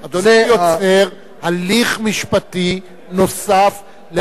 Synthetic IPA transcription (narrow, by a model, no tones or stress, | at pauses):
ad̪onjot͡seʁ | haliχmiʃpat̪i | nosaf | le